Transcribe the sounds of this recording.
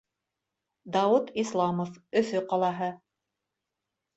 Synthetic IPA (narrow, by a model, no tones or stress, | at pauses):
d̪ɑwut̪islˠɑmofɵ̆θɵqɑlˠɑɦɤ